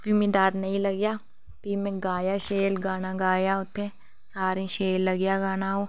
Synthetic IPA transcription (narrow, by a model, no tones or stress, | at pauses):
bimĩd̪aːɾnɐɦĩlɐɡjaː | piːmẽɡaːjaʃeːlɡaːnaɡaːjaʊt̪ʰẽ | saːɾẽʃeːlːɐɡjaɡaːnaɦoː